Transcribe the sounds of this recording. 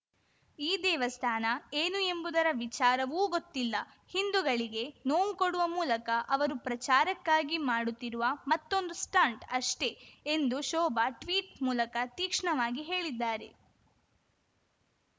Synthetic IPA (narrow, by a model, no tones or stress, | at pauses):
iːd̪ɛːʋɐst̪ʰaːnɐeːnue̞mbud̪ɐɾɐʋit͡ʃaːɾɐʋuːɡot̪ːilːɐ | hind̪uɡɐɭiɡe̞noːmkoɽuʋɐmuːlɐkɐʔɐʋɐɾupɾɐt͡ʃaːɾɐkːaːɡimaːɽut̪ːiɾuʋɐmɐt̪ːo̞nd̪usʈaːɳʈɐʂʈe̞end̪uʃɔːbaʈʋiːʈmuːlɐkɐt̪iːkʂɳɐʋaːɡiɦe̞ːɭid̪ːaːɾe̞̰